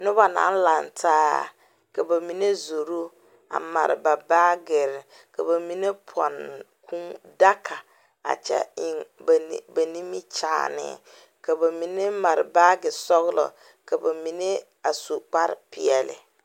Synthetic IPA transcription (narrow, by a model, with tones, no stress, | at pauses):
nʊ˦ba˨na̰˨˦n˦la˨ntʰaː˦ | ka˨ba˨mi˨ne˦zo˨ɾu˦ | a̰˨ma̰˨ɾɪ̰˨ba˨baː˦ɡɪ˨ɾɪ˨ | ka˨βa˨mi˨ne˦pʰɔ̰˨n | kʰu˦ŋda˦kʰa˨ | a̰˨t͡ʃɛ̰˦ɪ˨ŋbba˨ni˦mi˦t͡ʃa̰ː˨nɪ̰˨ | ka˨ba˨mi˨ne˦ma˨ɾɪ˨ba˦ɡɪ˨sɔ˦ɣlɔ̰˨ | ka˨ba˨mi˨ne˦ | a˨su˨k͡pa˦ɾɪ˦pɪ˨ɛ˨lɪ̰˨